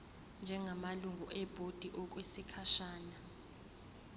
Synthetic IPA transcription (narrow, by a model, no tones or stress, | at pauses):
nd͡ʒʱɛŋamaluŋʱuʔɛb̥ʱod̥ʱiʔɔk̬wesikʰaʃaːna